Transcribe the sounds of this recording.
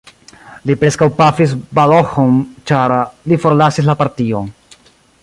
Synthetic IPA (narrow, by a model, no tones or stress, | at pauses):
lipɾe̞skawpafis̬baloxont͡ʃaɾlifo̞ɾlasis̬lapaɾt̪ion